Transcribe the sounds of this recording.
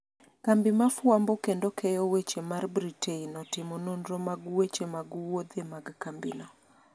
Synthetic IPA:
kambɪmafwambɔkendokʰɛjɔwet͡ʃemarbɾiteinɔtɪmɔnondɾɔmaɡwet͡ʃemaɡuwod̪emaɡkambɪ̰nɔ

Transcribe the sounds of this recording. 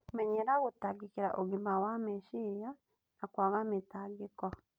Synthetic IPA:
mɛɲeɾaɣutaɡikiɾa̰ʔoɣimawameʃija | nakwaɣametaɡikɔ

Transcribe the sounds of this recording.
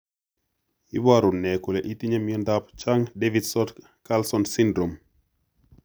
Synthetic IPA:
ibaɾunɛkuleʔitiɲamiəndapt͡ʃaŋdevidsɔt | kalsɔnsindɾom

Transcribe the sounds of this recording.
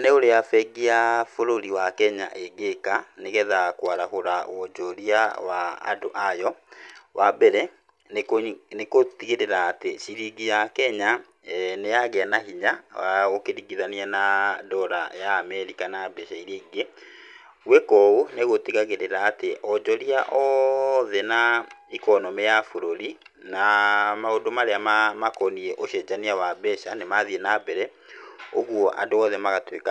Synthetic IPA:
neoɾeafɛɡiafoɾoɾiwakɛɲa̰ʔeɡekaneɣɛðakwaɾahoɾaɔd͡ʒɔɾiawaa̰doʔajɔwʔabɛɾɛ | knekotiɣeɾeɾaːteɕiɾiɡijakɛɲa | nejaɣeanaɦiɲawaɣokeɾiɡiðanianadɔɾajaːmɛɾikanabɛʃaiɾiːɡe | wekɔuneɣotiɣaɣeɾeɾaːteʔɔd͡ʒɔɾiaʔɔðɛnaikɔnɔmɛjafoɾoɾinamaodomaɾeamamakɔniɛʔoɕɛd͡ʑaniawabɛʃanemaðiɛnabɛɾɛ | oɣwɔʔa̰doɔðɛmaɣatweka

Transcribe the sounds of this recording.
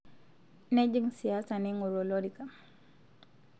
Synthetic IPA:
ned͡ʒiŋsijasaniŋuɾoloɾika

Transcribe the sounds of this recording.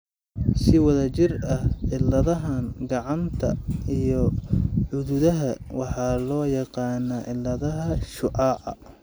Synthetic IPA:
sɪwɑðɐt͡ʃɪrɐhʕɪlɐðɐɦɐnɡɑʕɑnt̪ʰɐ̰ijɔʕʊðʊðɐɦɐwɑħɑːlɔːjɑqɑːnɐʕɪlːɐðɐɦɐʃʊʔɑːʕɑ̰

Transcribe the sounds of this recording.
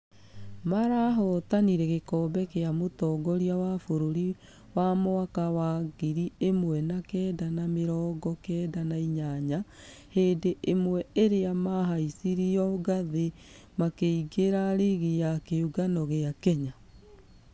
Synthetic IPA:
maɾaːɦɔtaniɾɛɣekɔːbɛkeamotɔɡɔɾiawafoɾoɾi | wamoakawaːɡiɾiemwɛnakɛːdanameɾɔːɡɔkɛːdanaiɲaɲa | heːdeʔemwɛeɾeamaɦaisiɾiɔɡaðe | makeiɡeɾaɾeɣijakeuɡanɔɣeakɛɲa

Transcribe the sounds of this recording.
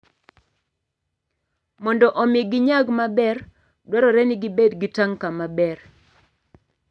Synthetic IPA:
mɔndɔʔɔmɪɡɪɲaɡmabɛr | dwɔɾɔɾɛnɪɡɪbedɡɪtaŋkamabɛr

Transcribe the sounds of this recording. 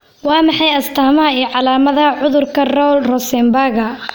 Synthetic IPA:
wɑːmɑħɑjɐst̪ʰaːmɐɦɐiːʕɑlaːmɐðɐʕʊðʊrkʰɐrɔwlrɔsɛmbaːɣɐ

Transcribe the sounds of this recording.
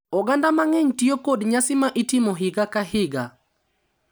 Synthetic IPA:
ɔɡandamaŋɛɲtiokodɲasɪmaʔitimoɦɪɡakahɪɡa

